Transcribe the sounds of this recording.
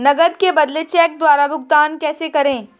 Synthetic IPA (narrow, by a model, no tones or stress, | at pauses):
nɐɡəd̪kebɐd̪let͡ʃɛːk̚d̪waːɾabʊɡt̪aːnkɛːsekɐɾẽː